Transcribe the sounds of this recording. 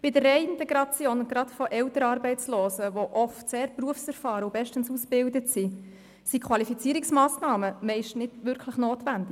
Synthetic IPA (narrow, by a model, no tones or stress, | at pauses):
b̥idərːɛɪɪntɛɡɾɑt͡sjoːnʊnɡɾɑtfɔʔɛwtəɾɑːɾbɛɪt͡sloːsəʋoʔɔftseːɾpruəfsɛɾfɑːɾəʊbɛʃtənsusb̥ɪldətsi | sikʰʋɑlifit͡siəɾiksmɑːsnɑːməmɛɪʃtnɪd̥ʋʏɾkʰləχnoːtʋændɪ